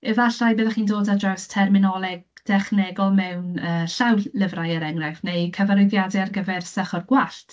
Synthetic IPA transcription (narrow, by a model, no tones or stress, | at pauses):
ɛvaɬajbɪːðaχiːndoːdadɔstʰɛrmɪnɔlˠɛɡ̚ | d̥ɛχnɛɡɔlˠmɛwnəːɬawlɪvrajəɾɛŋrafnejkʰəvaɾʊðjadɛarɡəvɛrsəχɔrɡwaɬtʰ